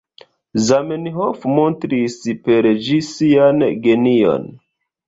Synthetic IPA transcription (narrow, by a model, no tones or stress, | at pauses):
zamenɦofmontɾispe̞ɾd͡ʒisianɡe̞nio̞̰n